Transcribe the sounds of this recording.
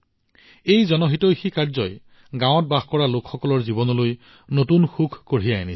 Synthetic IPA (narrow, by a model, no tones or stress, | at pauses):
ejzɔnɔɦitɔjxikaɹzɔj | ɡãwɔt̚baxkɔɹalokxɔkɔlɔɹzibɔnɔloj | notunxukʰkoɹijaeni